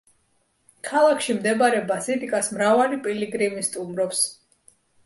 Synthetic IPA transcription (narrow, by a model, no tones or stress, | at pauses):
kʰalˠakʰʃimd̪ɛbaɾɛbaziɾikʼasmɾavalipʼiliɡɾimist̪ʼumɾɔps